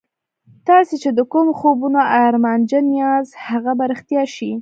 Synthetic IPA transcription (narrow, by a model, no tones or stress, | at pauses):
t̪ɑset͡ʃed̪əkumxobunoʔaɾmand͡ʒanijɑzhaɣabaɾəxt̪jɑʃi